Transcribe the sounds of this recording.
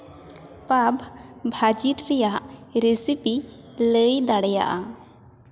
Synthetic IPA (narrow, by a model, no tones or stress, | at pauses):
pabʱbʱad͡ʒiɾɾɛjaʔɾesipi | ləjd̪aɽɛja̰ʔa